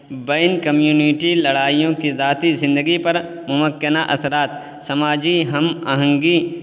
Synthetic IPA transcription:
beːnkɐmjuːniʈilɐɽaːijõkizaːt̪izɪ̃nd̪əɡipɐɾ | mʊməkːənaʔɐ̰sɾaːt̪ | sɐmaːd͡ʒiɦɐmɐɦə̃ŋɡi

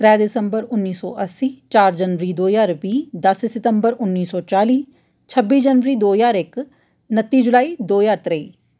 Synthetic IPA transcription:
t̪ɾɛːd̪ɪsəmbəɾʊnːiːsɔ̰ːʔəsiːt͡ʃaːɾd͡ʒənʋəɾiːd̪oːjaːɾbiːd̪əssɪt̪əmbəɾʊnːiːsɔːt͡ʃaːliː | t͡ʃʰəbːiːd͡ʒənʋəɾiːd̪oːjaːɾɪk | nət̪ːiːd͡ʒʊlaːiːd̪oːjaːt̪ɾəiː

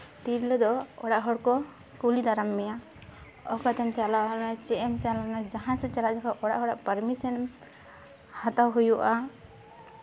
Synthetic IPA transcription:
t̪iɾlɔd̪ɔɔɽaʔɦɔɽkɔ | kulid̪aɾamːɛja | ɔkat̪ʰant͡ʃalaanat͡ʃɛʔɛmt͡ʃalanad͡ʒaɦãsɛt͡ʃalaʔd͡ʒakʰaʔɔɽaʔɦɔɽaʔpaɾmisɔn | hat̪awɦujuʔa

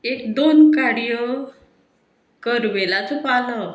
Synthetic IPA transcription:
ekd̪onkaɽjə | kəɾʋelat͡supanə

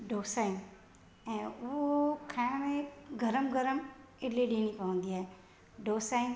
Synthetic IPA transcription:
ɖoːsaːin | ɛ̃ːʊɦokʰãmẽɡʱɐɾəmɡʱəɾəm | ɪliɗiːñĩpəʋə̃nd̪iaːɦe | ɖoːsaːin

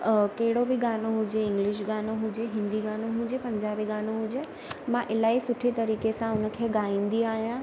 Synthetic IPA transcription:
kɐɦɪɽobʱɪɡaːnoɦʊd͡ʑeɪ̃ŋɡlɪʃ̬ɡaːnoɦʊd͡ʑeɦɪ̃nd̪iɡaːnoɦũd͡ʑepɐ̃ɲd͡ʑaːbiɡaːnoɦũd͡ʑe | mãʔɪlaːisʊʈʰit̪ɐɾiːkesãʊnə̆kʰeːɡaːĩn̆d̪iaːɦijã

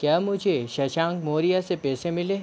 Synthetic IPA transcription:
kjaːmʊd͡ʒʱeʃɐʃãːŋkmoːɾijasepɛːsẽmɪleː

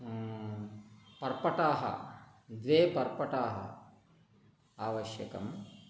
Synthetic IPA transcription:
pɐɾpɐʈaːɦɐ̰d̪ʋeːbʱɐɾpɐʈaːɦɐ̰ | aːʋɐʃjɐkɐ̰m

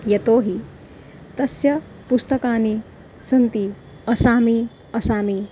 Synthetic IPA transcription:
jɐt̪oːɦi | t̪ɐsjɐ | pust̪ɐkaːni | sɐnt̪i | ɐsaːmi | ɐsaːmi

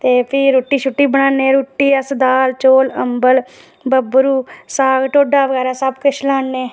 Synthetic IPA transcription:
t̪eːpʰiːɾoːʈːiːt͡ʃʰʊʈːiːbəɽ̃aːnẽːɾoːʈːiːəsd̪aːlt͡ʃoːləmbəl | bəbɾuːsaːɡʈoːɖaːʋəɣɛːɾaːsəbkʊt͡ʃʰlaːnːeː

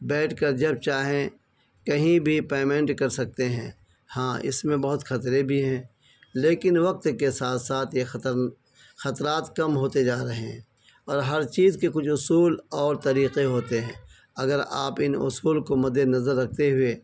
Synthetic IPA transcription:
bɛːʈʰkəɾd͡ʒɐb̚t͡ʃaːɦẽ | kɐɦĩbʱipeːmẽɳʈkɐɾsɐk̚t̪eɦɛ̰̃ː | hãːʔɪ̰smẽbɐɦʊt̪xɐt̪ɾebʱiɦɛ̃ː | leːkɪnʋɐq̚t̪kesaːt̪ʰsaːt̪ʰjext̪əɾ | xɐt̪ɾaːt̪kɐmɦoːt̪ed͡ʒaːɾɐɦeɦɛ̃ | ɔːɾɦɐɾt͡ʃiːzkekʊt͡ʃʰʊsuːlɔːɾt̪ɐɾiːqeɦoːt̪eɦɛ̃ː | ɐɡəɾa̰ːpɪnʊ̰suːlkomɐd̪enɐzəɾːɐk̚ʰt̪eɦʊe

